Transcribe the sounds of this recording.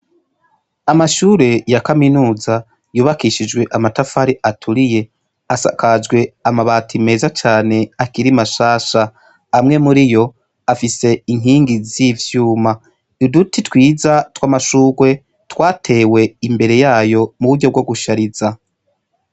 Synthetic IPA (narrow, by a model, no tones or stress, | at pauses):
amaʃuːɾe̞jakaminuːza | juːβakiʃid͡ʒɡwe̞ʔamatafaɾiʔatʰuɾije̞ | asa̰kʰad͡ʒɡwe̞amaβaːtʰime̞ːzat͡ʃaːne̞akiɾimaʃaːʃa | amŋe̞muɾijo̞ | afise̞iŋ̥ɦiːŋɡizivjuːma | dudutitwiːzatwamaʃuːɡwe̞ | twaːtʰe̞ːwe̞imbe̞ɾe̞jaːjo̞muβuɾɟo̞b̚ɡoɡuʃaɾiza